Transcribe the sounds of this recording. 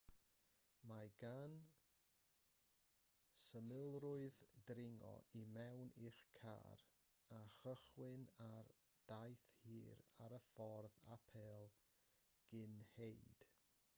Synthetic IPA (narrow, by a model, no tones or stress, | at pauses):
maɡ̥an | səmɪlˠrʊɨðdrɪŋɔ̰ʔimɛwnʔiχkʰa̰ːɾ | aχəχwɪnard̥ajθhiːɾaɾəfɔrðapʰɛːlˠ | ɡ̥ɪnhejd̥